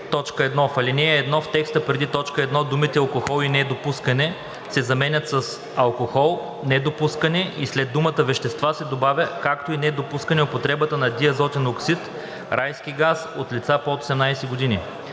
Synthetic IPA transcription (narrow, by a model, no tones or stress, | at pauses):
t̪ɔt͡ʃkəɛd̪nɔfɐlinɛɛːd̪nɔft̪ɛkst̪əpɾɛd̪it̪ɔt͡ʃkəɛd̪nɔd̪umit̪ɛɐlˠkoxɔlˠinɛd̪opuskɐnɛ | sɛzɐmɛnʲət̪səs | ɐlˠkoxɔlˠ | nɛd̪opuskɐnɛʔislɛd̪ːumət̪əvɛʃt̪ɛst̪vasɛd̪obavʲəkakt̪oinɛd̪opuskənɛopot̪ɾɛbət̪ənɐd̪iɐzɔt̪ʲɛnoksit̪ | ɾʔajsk̟iɡasot̪lit̪sapot̪o̥sɛmnajsɛɡod̪ini